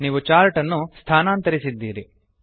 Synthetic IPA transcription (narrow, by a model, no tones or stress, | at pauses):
niːʋut͡ʃaːɾʈɐnːust̪ʰaːnaːnt̪ɐɾisid̪ːiːɾi